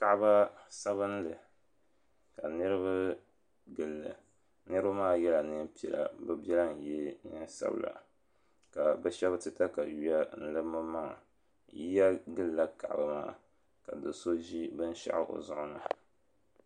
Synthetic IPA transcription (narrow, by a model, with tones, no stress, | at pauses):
ka˨ʔba˦sa˦βɨ˦n˦lɨ˨ | ka˨nɨ˦ɾɨ˦ba˦ | ɡɨ˨lːɨ̰˨ | nɨ˦ɾɨ˦ba˦maː˦˨jɛ˦la˨nɨ˦m˦pi˨ɛ̰˨la̰˨bɛ˦bɛ˦la˦n̩˨jɛ˦ɲɨ˦sa̰˦bɨ̰˦˨la̰˨ | ka˨bɛ˦ʃɛ˦btɨ˦ta˦ka˨ɥi˦a˦n̩˦lɨ˦mɨ˦ma˦ŋa̰˨ | ji˦ja˦ɡɨ˦lːa˦ka˨ʔba˨ma̰ː˦˨ | ka˨dɨ˨so˦ʒi˦bɨ˦n̩˦ʃa̰˦ʔɪ˦ʔo̰˨zʊ˦ʔʊ˦na˦